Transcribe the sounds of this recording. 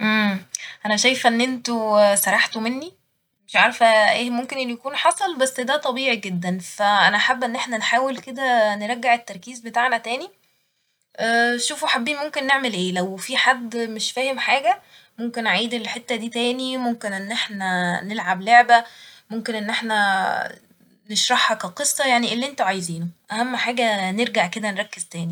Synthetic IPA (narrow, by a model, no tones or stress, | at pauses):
ʔemʔænæʃæjfʔenːʔent̪osɑɾˤɑħt̪omenːi | meʃʕɑɾˤfæʔeːmomkenʔenːujækuːnħɑsˤɑlbæsːd̪æːt̪ˤɑbiːʕiɡed̪ːænfæʔænæħabːʔenːʔeħnænħaːwelked̪æneɾˤæɡːeʕet̪ːɑɾˤkiːzbet̪aʕnæt̪æːni | ʔæːʃuːfuħabːiːnmomkenːeʕmelʔeːlæwfiħad̪ːmeʃfæːhemħaːɡæ | momkenʕaijd̪elħet̪ːæd̪iːt̪æːnimomkenʔenːʔeħnænelʕabloʕbæmomkenʔenːʔeħnæ | neʃɾˤɑħhɑkæqesˤːɑjaʕniʔelːiʔent̪æʕajziːnoʔæhæmːħaːɡæneɾɡaʕked̪ænɾˤɑkːezt̪æːni